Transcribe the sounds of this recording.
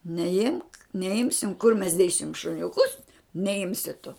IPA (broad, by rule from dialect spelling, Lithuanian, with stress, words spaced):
nʲɛˈɪmk nʲɛˈɪmʲsʲɪm kʊr mʲɛs ˈdʲeːsʲɪm ʃʊnʲʊˈkʊs nʲɛˈɪmʲsʲɪ tʊ